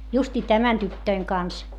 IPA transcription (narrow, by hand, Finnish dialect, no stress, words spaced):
justiː tæmæn tytːøiŋ kɑns